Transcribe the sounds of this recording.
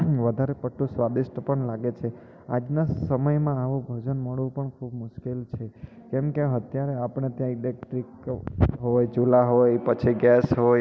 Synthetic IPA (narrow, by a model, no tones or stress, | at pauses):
ʋəd̪ʱaɾepəʈʰːũsʋad̪iʃʈpəɳlaɡet͡ʃʰe | a̰d͡ʒnasəməjmãaʋũbʱəd͡ʒənməɭʋũpəɳkʰubmʊʃkelt͡ʃʰe | kɛmkeɦət̪jaɾeapɳ̃et̪jãilek̚ʈɾikɦojd͡ʒulaɦojpət͡ʃʰiɡɛsɦoj